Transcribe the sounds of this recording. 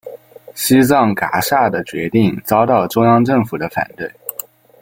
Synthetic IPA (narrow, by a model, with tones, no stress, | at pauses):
ɕi˥t͡sɑ˥˩ŋka̰˧˥ʂa˥˩d̪ə˩t͡ɕɥɛ˧˥t̪i˥˩ŋt͡sɑ˥ʊt̪ɑ˥˩ʊʈ͡ʂʊ˥ŋjɑ˥ŋʈ͡ʂɤ˥˩ŋfu˨˩d̪ə˦fa̰˨˩nt̪we˥˩ɪ